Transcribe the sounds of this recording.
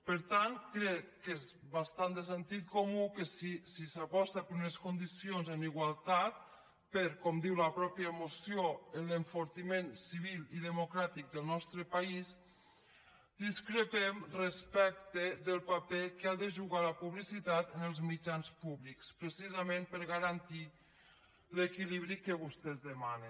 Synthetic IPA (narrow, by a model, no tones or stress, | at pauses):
pəɾt̪ankɾɛkːezβast̪and̪əs̬ənt̪it̪̚komukəsisisapɔst̪apəɾunəskund̪isionzəniɣwalˠt̪at̪̚ | pəɾkɔmd̪iwləpɾɔpjəmusioənləɱfuɾt̪imensiβiliðəmukɾat̪ik̚d̪əlˠnɔst̪ɾəpais | d̪iskɾəpɛmrəspɛk̚t̪eðəlˠpapekeaðəʒuɣaləpuβlisit̪at̪ənəlˠzmid͡ʒanspuβlikspɾesizamẽmpəɾɣaɾant̪i | lekiliβ̞ɾikəβust̪ɛzðəmane